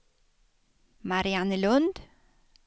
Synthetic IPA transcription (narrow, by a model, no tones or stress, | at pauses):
mɑɾɪɑnəlʉnd̪